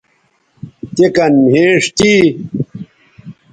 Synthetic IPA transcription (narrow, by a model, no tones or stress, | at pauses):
t̪ekɐnmɦeːʂt̪i